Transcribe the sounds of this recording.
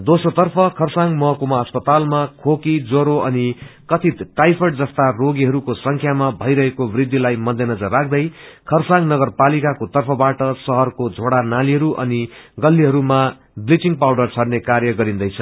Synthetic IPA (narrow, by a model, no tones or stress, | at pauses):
d̪osrot̪ʌrpʰʌkʰʌrsaŋmʌkumaʌspʌt̪almakʰokid͡zoɾoʔʌnikʌt̪ʰit̪ʈajpʰʌʈd͡zʌst̪aroɡiɦʌɾukosʌŋkʰjamabʱʌjɾʌɦekobrid̪ːilajmʌd̪enʌd͡zʌrːak̚ʰd̪ʌjkʰʌrsãŋnʌɡʌrpalikakot̪ʌrpʰʌbaʈʌsʌɦʌrkod͡zʱoɽanaliɦʌɾuʔʌ̰niɡʌlːiɦʌɾuma | blit͡siŋɡpawɖʌrt͡sʰʌɽnekaɾjʌɡʌɾind̪ʌjt͡sʰʌ